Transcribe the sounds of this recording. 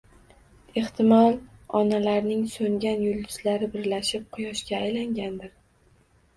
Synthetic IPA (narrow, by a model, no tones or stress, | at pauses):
e̞χt̪ʰɪmɒlˠɒnalaɾnɪŋsoŋɡʲanjʊld̪ʊz̥laɾɪbɪɾlaʃɪp̚qʰʊjɒʃkʲaːjlaŋɡʲand̪ɪɾ